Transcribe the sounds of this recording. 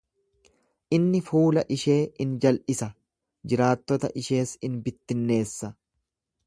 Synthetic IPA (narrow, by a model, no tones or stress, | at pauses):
ʔɪnːɪfuːlɐʔɪʃe̞ːɪnd͡ʒɐlʔɪsɐ | d͡ʒɪɾaːt̪ːɔt̪ɐ̰ʔɪʃe̞ːsɪnbɪt̪ːɪnːe̞ːsːɐ